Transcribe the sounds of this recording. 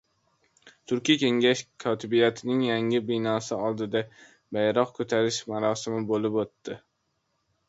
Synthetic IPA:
t̪ʰʊɾkʲijkʲe̞ŋɡʲaʃkʰɒt̪ʰɪbijat̪ʰɪnɪŋjaŋɪbɪnɒːsɪɒlˠd̪ɪd̪a | bajɾɒqkʰot̪ʰaɾɪʃmaɾɒːsɪmɪbolɪpot̪ːɪ

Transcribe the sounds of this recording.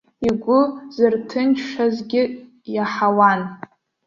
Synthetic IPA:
iɡʷʊzɨrtʰɨnt͡ʃʰʂazɡʲɪ | jaħawan

